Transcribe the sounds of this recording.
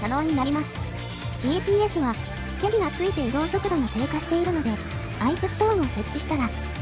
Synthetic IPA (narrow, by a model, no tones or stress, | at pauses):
t̪ano̞ːɲ̟inaɾʲimasɨ̥ | eːpʲiːe̞sɨβa | k̪ʲeɾʲiɡat͡sɨit̪e̞iɾo̞ːso̞kɯ̟d̪o̞ŋat̪e̞ːkaɕi̥t̪e̞iɾɯ̟no̞d̪e̞ | aisɨsɨ̥t̪o̞ːɯ̃o̞se̞t͡ɕ͈ːiɕi̥t̪aɾa